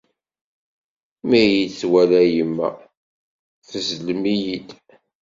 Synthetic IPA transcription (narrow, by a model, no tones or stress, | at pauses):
mijit͡sːwælæjəmːæ̰ | θəzləmijid̪